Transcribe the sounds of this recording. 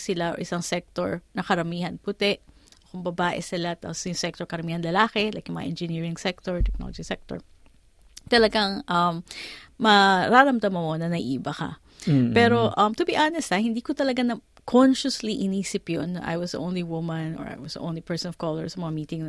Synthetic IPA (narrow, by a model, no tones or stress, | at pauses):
sɪlaʔɔ̰ʔɪsaŋsɛk̚t̪oɹnɐkɐɾɐmiːɦɐnpʊt̪ɛʔ | okʊŋbɐbaːʔɛsɪlat̪apsjʊŋsɛk̚t̪ɔɹkɐɾɐmiːhɐnlɐlaːkɛlɐjk̚jʊŋmɐ̰aʔɛnd͡ʒɪniːɹɪŋsɛk̚t̪oɹt̪ɛk̚no̰lɔd͡ʒisɛk̚t̪ɔ̰ɹ | t̪ɐlɐɡaŋʔɐmmɐɾaːɾɐmd̪ɐmɐmonɐnɐʔiːbɐkɐ̰ | pɛːɾo̞ʔɐmt̪ʊbiʔaːnɛst̪ɐhɪnd̪iːkʊt̪ɐlɐɡanɐ | kʰɔnʃʊsliʔɪniːsɪpjonːɐʔa̰jwɐsdə̰ʔõwnliwʊmɐ̃nɔ̰ɹʔa̰jwɐsə̰ʔo̰wnlipɛɹsɔnɔv̥koːlɛɹsɐmɐŋamiːt̪ɪŋnɐ